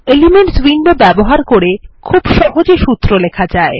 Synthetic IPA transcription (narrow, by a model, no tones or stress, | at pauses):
elimeɳʈswinbobɛboɦaɾkoɾekʰubʃɔɦod͡ʑeʃut̪ːɾolekʰad͡ʑae